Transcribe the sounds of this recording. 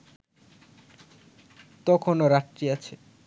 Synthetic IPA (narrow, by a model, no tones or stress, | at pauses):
t̪ɔkʰonoɾaʈːɾiat͡ɕʰe